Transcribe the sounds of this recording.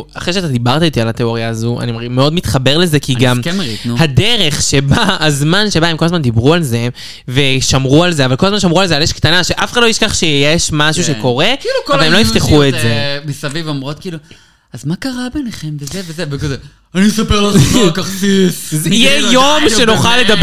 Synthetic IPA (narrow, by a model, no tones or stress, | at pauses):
aχʁejʃeat̪ad̪ibaʁt̪ait̪ialat̪eo̞ʁjaːzua̰nimaʁimeo̞dmit̪χabe̞ʁle̞ze̞kiɡamkemeʁitnuhad̪eʁe̞χʃe̞baːzmanʃe̞baemko̞lazmand̪ibʁualze̞ | ve̞ʃamʁualzeavalkolazmanʃ̬amʁualzealjeʃkt̪anaʃeʔafe̥χadlojiɛʃkaχʃejeʃmaʃuʃeko̞ʁe̞ilukovalemloift̪eχuetzemisɐvivomʁo̞t̪̚kiːlu | azmakaʁabeneχemvezevezevekaze | anisɐpeʁlokaχsiszijejomʃenoχalːed̪ab